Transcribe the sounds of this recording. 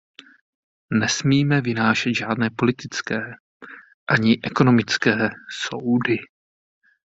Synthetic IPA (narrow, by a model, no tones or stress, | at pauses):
nɛsmiːmɛvɪnaːʃɛd̪ʒaːdnɛːpo̞lɪt̪ɪt͡skɛː | ʔaɲɪʔɛko̞nomɪt͡skɛːsowdɪ